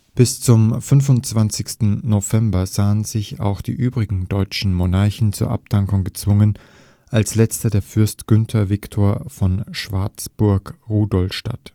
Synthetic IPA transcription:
b̥ɪst͡sʊmfʏnvʊnt͡sv̥ant͡sɪçstn̩novɛmbɐzaːənzɪça̰ʊxd̥ḭːʔyːbʁɪɡŋ̩dɔʏt͡ʃn̩monaɐçn̩t͡suːɐʔa̰ptʰaŋkʊŋɡət͡sv̥ʊŋən | ʔalslɛt͡stɐdeːɐfʏɐstɡ̥ʏntʰɐvɪktʰoːɐfɔnʃv̥aɐt͡sb̥ʊɐkʁuːdɔlfʃta̰t

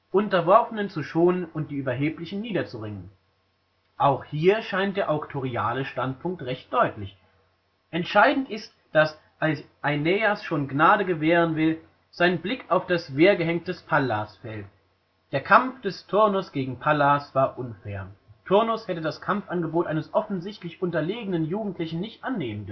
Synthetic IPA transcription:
ʔʊntɐvɔɐfənənt͡suʃoːnənʊnt̚d̥iːʔyːbɐɦeːplɪçn̩niːdɐt͡suʁɪŋən | ʔaʊxhiːɐʃaɪntd̥eːɐʔaʊktʰoʁia̰ːləʃtantpʰʊŋk̚tʁɛçt̚d̥ɔʏtlɪç | ʔɛntʃaɪdn̩tʔɪst | d̥as | ʔalsʔaɪnɛasʃoːnɡnaːɾəɡəveːʁ̞ənvɪl | z̥aɪnənblɪkʰaʊfd̥asv̥eːɐɡəɦɛŋk̚td̥ɛspʰalasfɛlt | d̥eːɐkʰamfd̥ɛstʰʊɐnʊsɡ̥eːɡŋ̩pʰalasv̥aːɐʔʊnfɛːɐtʰʊɐnʊshɛtədaskʰamfʔanɡəboːtʔaɪnəsʔɔfn̩zɪçtlɪçʔʊntɐleːɡənənjuːɡŋ̩tʰlɪçn̩nɪçtʔanːeːməndʏ

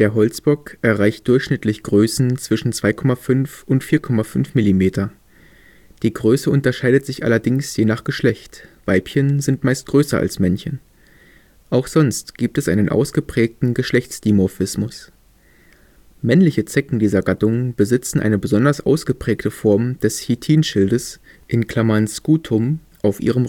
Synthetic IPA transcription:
d̥eːɐɦɔlt͡sb̥ɔkʔɛɐʁaɪçt̚d̥ʊɐçʃnɪtʰlɪçɡ̥ʁøːsn̩t͡sv̥ɪʃn̩t͡sv̥aɪkʰɔmafʏnfʔʊntfiːɐkʰɔmafʏnfmɪlimeːtɐ | d̥iːɡʁøːsəʔʊntɐʃaɪdətz̥ɪçʔa̰lɐdɪŋsjeːnaːχɡ̥əʃlɛçtv̥aɪpçənzɪntmaɪst̚ɡ̥ʁøːsɐʔa̰lsmɛnçən | ʔaʊxz̥ɔnstɡ̥iːp̚tɛsʔaɪnənʔa̰ʊsɡ̥əpʁ̥ɛːk̚tn̩ɡəʃlɛçt͡sd̥imofɪsmʊs | mɛnlɪçət͡sɛkŋ̩diːzɐɡatʊŋb̥əzɪt͡sn̩ʔaɪnəbəzɔndɐsʔaʊsɡ̥əpʁ̥ɛːktəfɔɐmd̥ɛshitʰiːnʃɪldəs | ʔɪnkʰl̥amanskuːtʰʊm | ʔaʊfʔḭːʁ̞əmʁ

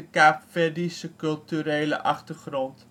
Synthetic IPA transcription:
əkæpfɛdisəkɵlˠtyɾeːlə̰ʔɐχtərχrɔnt

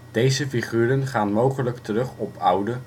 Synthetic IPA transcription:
d̥ejzəfiχyːɾənχaːnmowχələktərɵχɔpʌwdə

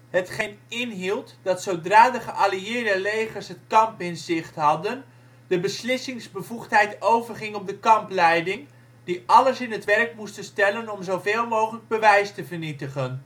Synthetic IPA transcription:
ɦətχejnɪnɦilˠtdɑtsowdraːdəχəʔaliɪːɹdəlejχəɹsɦətkɑmpɪnzɪχtɦɑdən | dəbəslɪsɪŋzbəvuχtɦɛjtowvəɹχɪŋɔp̚dəkɑmplɛjdɪŋ | d̥iʔɑləsɪnɦətʋɛrkmustənstɛlənɔmzowveːlˠmowχələɡ̚bəʋɛjstəvəɹnitəχən

